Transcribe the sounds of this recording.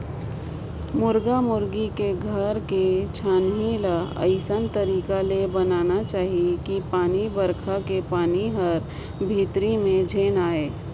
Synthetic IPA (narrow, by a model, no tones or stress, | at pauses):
mʊɾɡamʊɾɡikeɡʱɐɾket͡ʃʰaːnɦilaə̰ɪsənt̪əɾiːkalebɐnaːnat͡ʃaːɦiekipaːnibəɾkʰakepaːniɦəɾ | bʱiːt̪ɾimẽd͡ʒʱeːnaːeː